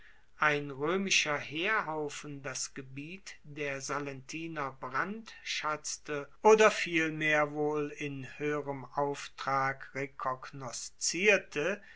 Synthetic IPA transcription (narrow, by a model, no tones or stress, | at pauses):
ʔaɪnʁøːmɪʃɐheːɐɦaʊfn̩dasɡ̥əbiːtd̥eːɐzalɛntʰiːnɐbʁantʃat͡stəʔoːdɐfiːlmeːɐvoːlɪnhøːəʁəmʔaʊftʁ̥aːkʁekʰɔɡnɔst͡siːɐtʰə